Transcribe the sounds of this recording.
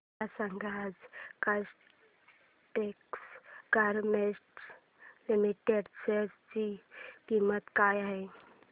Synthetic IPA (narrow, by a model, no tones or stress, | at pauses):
asəŋɡʱad͡zkas | ʈekskaɾmesʈ | limiʈeɖseɾt͡ɕikimət̪kajaɦe